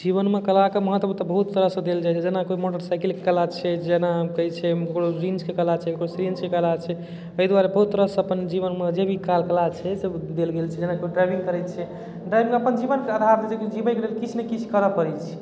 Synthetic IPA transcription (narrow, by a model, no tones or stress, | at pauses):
d͡ʒiβənmekəlakeməɦət̪ːwət̪əbəɦut̪ːəɾəsə̃d̪eld͡ʒajt͡ʃʰɛd͡ʒenakoimoʈəɾsajkelkekəlat͡ʃʰɛd͡ʒenakəɦit͡ʃʰɛkkɽoɾinskekəlat͡ʃʰɛkekɽosɾiənskekəlat͡ʃʰɛ | əid̪waɾebəɦut̪ːəɾəsəpənd͡ʒiβənmed͡ʒebʱikalkəlat͡ʃʰɛsed̪elɡelt͡ʃʰɛd͡ʒenakoiɖɾajbʱĩŋɡkəɾɛjt̪̚t͡ʃʰɛ | ɖɾajbĩŋɡəpənd͡ʒibənkead̪ʱaɾd̪et͡ʃekod͡ʒibənkelelkit͡ʃʰnekit͡ʃʰkəɾəpəɾɛt͡ʃʰɛ